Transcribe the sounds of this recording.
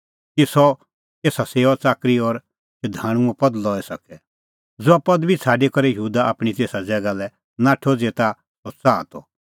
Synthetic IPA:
kisɔ | keːsaseːɔt͡saːkɾiɔɾ | sɛd̪ʱãːɽ̃ʊ̃ɔ̃pɐd̪lɔːɛsɐkɛ | d͡zoapɐd̪bʱit͡sʰaːɖekɔɾɛjəɦuːd̪aʔaːpɽ̃it̪eːsad͡zɛːɡalɛ | nãʈʰoːd͡zet̪a | sɔt͡saːt̪ɔ̰

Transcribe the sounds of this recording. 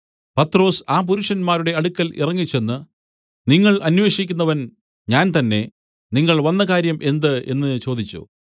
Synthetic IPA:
pɐt̪ːro̞ːsaːp̬uɾuʂɐnmaːɾuɽe̞ɐɽukːɐlḭrɐŋːit͡ɕːe̞nːɨ | niŋːɐɭʔɐnʋe̞ːʂikʲːunːɐʋɐn | ɲaːnt̪ɐnːe̞ | niŋːɐɭʋɐnːɐkaːɾjɐmʔe̞nd̪ɨe̞̰nːɨt͡ɕo̞ːd̪it͡ɕːṵ

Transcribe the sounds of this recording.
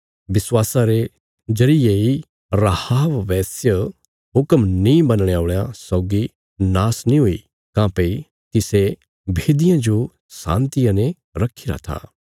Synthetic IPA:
ʋɪswaːsaɾe | d͡ʒɐɾijei | ɾahaːʋʋɛːsjə | ɦʊkəmnĩbɐnɽ̃eaoːɭjãsɔːɡi | naːsnĩɦʊḭ | kãːpɐi | t̪ɪse | bʱeːd̪ɪjãd͡ʒo | sã̰ːnt̪ɪjãnẽ | ɾɐkʰiɾa̰t̪ʰa̰ː

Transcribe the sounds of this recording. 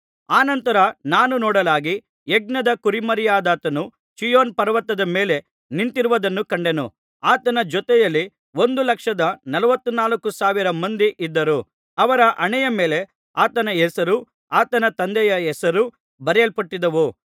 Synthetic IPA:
aːnɐnt̪ɐɾɐnaːnunɔːɽɐlaːɡi | eɡ̚nɐd̪ɐkuɾimɐɾijaːd̪aːt̪ɐnu | t͡ʃijoːnpɐɾɐʋɐt̪ːɐd̪ɐmeːle̞ | nint̪iɾuʋɐd̪ɐnːukɐɳɖe̞nṵ | aːt̪ɐnɐd͡ʒɔt̪ɛjɐlːi | o̞nd̪ulɐkʂɐd̪ɐnɐlɐʋɐt̪ːunaːlɐkːusaːʋiɾɐmɐnd̪iʔid̪ːɐɾu | ɐʋɐɾɐʔɐɳɛjɐme̞ːle̞ | aːt̪ɐnɐɛsɐɾu | aːt̪ɐnɐt̪ɐnd̪ɛjɐɛsɐɾu | bɐɾɐlpɐʈːid̪ɐʋu

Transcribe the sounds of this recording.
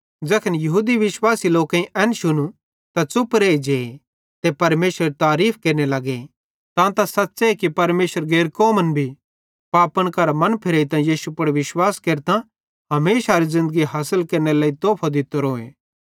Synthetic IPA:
d͡ʒɛkʰənjɐɦuːd̪iʋɪswaːsiloːkãĩʔɛːnʃʊnu | t̪at͡sʊpɾeːid͡ʒeː | t̪epɐɾmeːsɾəɾt̪aːɾiːpʰkeːɾnelɐɡe | t̪ãt̪asɐtːseekipɐɾmeːsəɾɡeːɾkoːmənbʱi | paːpənkɐɾmɐ̃npʰɪɾeːit̪ãjiːsupɐɽʋɪʃwaːskeːɾt̪ã | ɦɐmeːsaɾizɪ̃nd̪əɡiɦaːsəlkeɾnelaːit̪oːpʰod̪ɪt̪ːoɾoːeː

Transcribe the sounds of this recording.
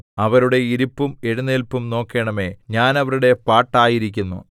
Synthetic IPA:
ɐʋɐɾuɽe̞iɾupːume̞ɻunːelpːumno̞ːkːe̞ːɳɐme̞ɲaːnɐʋɐɾuɽe̞paːʈːaːjiɾikʲːunːṵ

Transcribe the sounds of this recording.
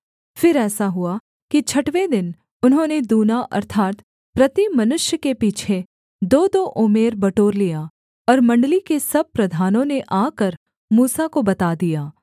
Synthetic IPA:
fɪɾɛːsaɦʊa | kit͡ʃʰɐʈʋed̪ɪn | ʊnɦõːned̪uːnaʔɐ̰ɾt̪ʰaːt̪ | pɾɐt̪imɐnʊʃjəkepiːt͡ʃʰe | d̪oːd̪oʔʊmeːɾbɐʈoːɾlija | ɔːɾmɐ̃ɳɖlikesɐb̚pɾɐd̪ʱaːnõneʔaːkəɾ | muːsakobɐt̪aːd̪ijaː

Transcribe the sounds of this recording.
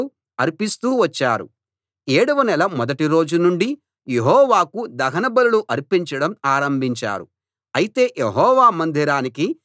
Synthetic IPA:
u | ɐɾipist̪uːʋɐt͡ʃːaːɾṵ | eːɽuʋɐnɛlɐmɔd̪ɐʈiɾo̞ːd͡ʒunuɳɖi | jeɦɔːʋaːkud̪ɐɦɐnɐbɐluluʔɐɾipiɲt͡ʃɐɽɐmaːɾɐmbʱiɲt͡ʃa̰ːɾṵ | ɐjit̪e̞ːjeɦɔːʋaːmɐnd̪ʱiɾaːniki

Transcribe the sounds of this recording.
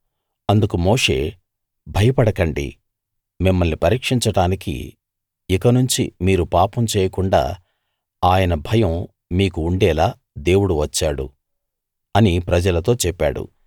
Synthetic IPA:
ɐnd̪ukumo̞ːʂe̞̰ː | bʱɐjɐpɐɽɐkɐɳɖḭ | mimːɐlnipɐɾiːkʂiɲt͡ʃɐɽaːnikḭ | ikɐnuɲt͡ʃḭmiːɾupaːpɐmt͡ʃɛːjɐkuɳɖa̰ː | aːjɐnɐbʱɐjɐm | miːkuːɳɖɛːlaː | d̪e̞ːwuɽuʋɐt͡ʃːaːɽṵ | ɐnipɾɐd͡ʒɐlɐt̪o̞ːt͡ʃɛpːa̰ːɽṵ

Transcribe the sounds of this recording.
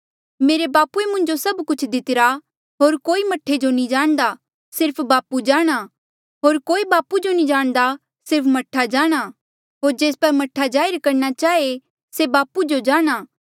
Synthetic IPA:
meːɾebaːpuemʊ̃ɲd͡ʒosɐbkʊt͡ʃʰd̪ɪt̪ɪɾa | ɦoːɾkoːimɐʈʰːed͡ʒonĩd͡ʒaːɽ̃d̪a | sɪɾpʰbaːpud͡ʒaːɽ̃a | ɦoːɾkoːibaːpud͡ʒonĩd͡ʒaːɽ̃d̪a | sɪɾpʰmɐʈʰːad͡ʒaːɽ̃a | ɦoːɾd͡ʒeːspɐɾmɐʈʰːad͡ʒaːɪɾkɐɾnat͡ʃaːe | sebaːpud͡ʒod͡ʒaːɽ̃aː

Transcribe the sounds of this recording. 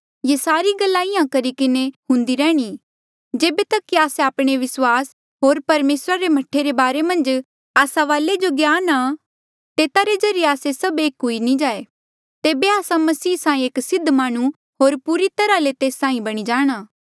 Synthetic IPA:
jesaːɾiɡɐlːaɪjãkɐɾikɪneɦʊ̃nd̪iɾɛːɽ̃i | d͡ʒeːbet̪ɐkːiaːseaːpɽ̃eʋɪswaːs | ɦoːɾpɐɾmeːsɾaɾemɐʈʰeɾebaːɾemɐ̃nd͡ʒ | aːsaʋaːled͡ʒoɡjaːna | t̪eːt̪aɾezɐɾijeaːsesɐbeːkɦʊinĩd͡ʒaːe | t̪eːbeaːsãmɐsiːsãːĩeːksɪd̪ʱmaːɽ̃u | ɦoːɾpuːɾit̪ɐɾalet̪eːsːãːĩbɐɽ̃id͡ʒaːɽ̃aː

